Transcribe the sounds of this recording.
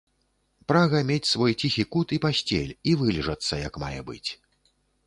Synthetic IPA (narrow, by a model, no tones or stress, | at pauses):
pɾaɣɐmʲet͡sʲsvɔjt͡sʲixʲikut̪ipasʲt͡sʲḛlʲivɨlʲiʐɐt̪sːɐjɐkma̰jɛbɨ̰t͡sʲ